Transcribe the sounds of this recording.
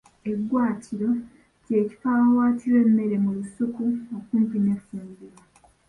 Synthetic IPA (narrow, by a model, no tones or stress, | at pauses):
e̞ɡwaːtʰiɾo̞ | ce̞ːci̥faːmawaːtʰiɾwe̞mːe̞ɾe̞mulusukuokuːmpine̞fːuːmbiɾwa